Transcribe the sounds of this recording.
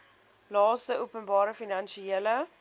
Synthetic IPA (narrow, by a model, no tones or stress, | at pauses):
lɑːstəʔuəpənbɑːɾəfinɐnʃielə